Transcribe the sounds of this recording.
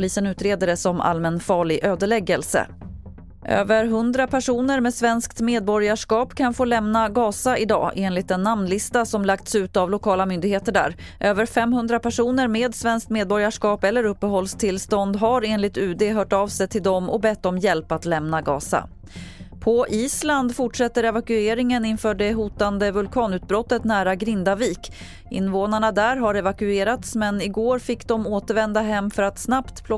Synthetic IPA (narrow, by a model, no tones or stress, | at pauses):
pliːsənʉ̟ːt̪ɾeːd̪əɾəsɔmʔa̰lmənfɑːɭɪɡʔøːd̪əɭɛɡəlsə̰ | ʔø̰ːvəɾɦɵnd̪ɾapʰæʂuːnəɾmeːsvɛnskt̪meːd̪̚bɔɾjaʂkɑːpkʰanfoːlɛmnaɡɑːsaʔɪd̪ɑ̰ːʔeːnlɪt̪ɛnːamnlɪst̪asɔmlakt̪sʉ̟ːt̪avlʊkʰɑːlamʏnd̪ɪɡheːt̪əɖæ̰ːɾʔøːvəɾfɛmhɵnd̪ɾapʰæʂuːnəɾmeːd̪svɛnsk̚t̪meːd̪̚bɔɾjaʂkɑːpɛlːəɾɵpːəɦɔlst̪ʰɪlst̪ɔnd̪ɦaɾeːnlɪt̪ʉ̟ːd̪eɦœːʈɑːvsɛjt̪ʰɪld̪ɔmɔbɛt̪ːdɔmjɛlpat̪lɛmnaɡɑːsa̰ | pʰɔʔiːsland̪fʊʈʂɛt̪ːəɾɛvakɵeːɾɪŋənɪnfœːɖɛɦuːt̪and̪əvɵlkʰɑːnʉ̟ːt̪̚bɾɔt̪ːət̪næːɾaɡɾɪnd̪aviːk | ɪ̰nːvoːnaɳad̪æɾɦaɾɛvakɵeːɾat̪smɛnɪɡoːɾfɪkːd̪ɔmoːt̪əɾvɛnd̪aɦɛmːfœɾat̪snapt̪pʰl